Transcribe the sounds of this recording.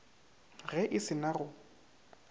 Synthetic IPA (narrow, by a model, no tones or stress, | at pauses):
ɣɛʔɪsɪnaɣʊ